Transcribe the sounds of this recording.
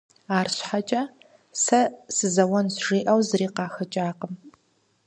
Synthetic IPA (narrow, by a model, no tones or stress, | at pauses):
aːrɕħat͡ʃʼɐ | sɐsɨzɐwɐnzʒiːʔɐwzɨriːqɑːxɐt͡ʃʼaːqəm